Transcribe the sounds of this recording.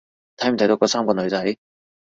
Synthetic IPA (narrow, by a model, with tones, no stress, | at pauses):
t̪ʰɐ˨˥jm̩ʰ˨˩ɐ˨jt̪o˨˧˥kɔː˧saː˥mŋkɔː˧nɵ˨˧ɥt͡sɐ˨˥j